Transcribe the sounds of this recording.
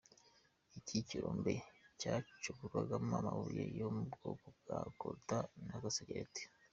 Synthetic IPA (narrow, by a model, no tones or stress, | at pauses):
iciciɾoːmbecaːt͡ʃukuɾwaɡamamaβujḛjomubbɡoːkob̚ɡakoɾtanaɡaseɡaɾete̥